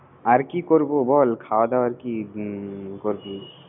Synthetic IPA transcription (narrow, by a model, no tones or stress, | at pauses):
aɾkikoɾbubɔlkʰawd̪aaɾki | koɾbu